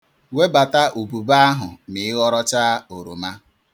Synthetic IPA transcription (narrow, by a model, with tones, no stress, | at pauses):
we˦ba˨ta˦ʔu˨bu˨ba˦a˦ɦʊ˨mɪ˨ɪ˦ɣɔ˦ɾɔ˦t͡ʃa˦o˨ɾṵ˨ma˦